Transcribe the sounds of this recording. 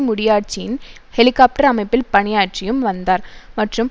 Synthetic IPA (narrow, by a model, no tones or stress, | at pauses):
mʊɽɪjaːʈ̚t͡ʃɪjɪn | hɛlɪkːaːp̚ʈɐɾɐmɐɪpːɪlpɐɳɪjaːʈrɪjɯmʋɐnd̪aːɾmɐʈrɯm